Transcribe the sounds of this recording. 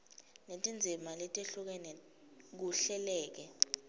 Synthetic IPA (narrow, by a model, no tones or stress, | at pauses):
netʼind͡zʱimalɛtʼeɬuk̬ɛnɛ | k̬uɬɛlɛːk̬ɛ